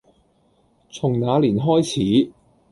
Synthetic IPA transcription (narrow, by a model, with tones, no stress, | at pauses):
t͡sʰʊ˨˩ŋnaː˨˧liː˨˩nɦɔː˥jt͡sʰiː˨˥